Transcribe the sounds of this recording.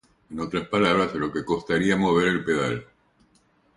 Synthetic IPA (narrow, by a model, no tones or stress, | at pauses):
eno̞t̪ɾaspalaβ̞ɾaslo̞ke̞ko̞st̪aɾiamo̞β̞eɾe̞lpe̞ðal